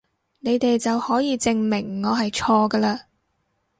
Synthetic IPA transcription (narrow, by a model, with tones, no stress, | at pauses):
ne˨˧jt̪e˨jt͡sɐ˨whɔː˨˥jiː˨˧t͡sɪ˧ŋmɪ˨˩ŋːɔː˨˧ɦɐ˨jt͡ʃʰɔː˧ɡɐː˧laː˧